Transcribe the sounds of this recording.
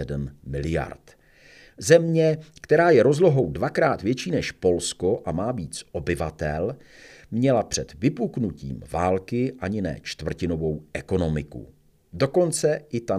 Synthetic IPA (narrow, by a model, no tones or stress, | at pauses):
ɛdmːɪlɪja̰ɾt̪ | zɛmɲɛkt̪ɛɾaːjɛɾo̞zlo̞ɦo̞wdvakɾaːt̪vjɛt͡ʃiːnɛʃpo̞lskoʔamaːbiːt͡sʔo̞bɪvat̪ɛl | mɲɛlapr̝̥ɛd̪vɪpuknucḭːmvaːlkɪʔaɲɪnɛ̰ːt͡ʃt̪vr̩cɪno̞vo̞wʔɛko̞no̞mɪkṵ | do̞ko̞nt͡sɛʔɪt̪a